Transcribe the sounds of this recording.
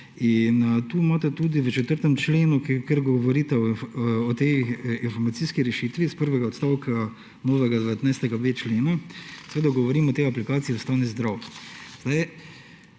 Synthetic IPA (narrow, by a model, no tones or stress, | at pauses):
int̪uːmaːt̪ɛt̪ud̪iʋət͡ʃɛt̪əɾt̪ɛmt͡ʃleːnukkəɾɡɔʋɔɾit̪ɛɔt̪ejinfɔɾmat̪siskiɾɛʃiːt̪ʋispəɾʋɛɡaɔt̪st̪awkʰa | noːʋɛɡad̪ɛʋɛt̪najst̪ɛɡabet͡ʃleːnasɛʋeːd̪aɡɔʋɔɾimɔt̪ɛjaplikaːt̪siust̪ɾaːnizd̪ɾawzd̪aj